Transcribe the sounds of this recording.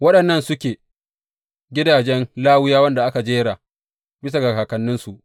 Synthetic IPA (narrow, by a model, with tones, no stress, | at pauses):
wɐ˦ɗɐ˨nːɐ˦˨nsʊ˦kʲeː˨ | ɡʲɪ˦daː˨d͡ʒɛ˦nlaː˦wɪ˦jaː˦wɐ˦nda˨ʔa˦ka˨d͡ʒeː˦ɽaː˨ | bɪ˦s̬a˨ɡa˨kaː˨kɐ˨nːɪ˦nsu˨ʔ